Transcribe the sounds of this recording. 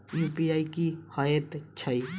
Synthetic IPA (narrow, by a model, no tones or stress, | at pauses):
juːpiaːikihaːjət̪t͡ʃʰai